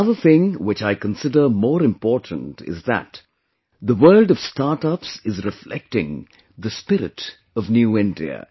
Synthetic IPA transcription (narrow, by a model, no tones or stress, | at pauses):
ʌðəθɪ̃ŋwɪt͡ʃaɪkə̃n̩sɪdə˞mɔːɾɨ̃mpɔɹtʰn̩tʰɪ̰zðə̰t̪ | ðəwɜ˞ldʌv̥stɑɹtʌpsɨzɹɪflɛ̰k̚tɪ̰̃ŋ | ðəspɪɾɪ̰t | ʌvnjuɪ̃ndḭə̰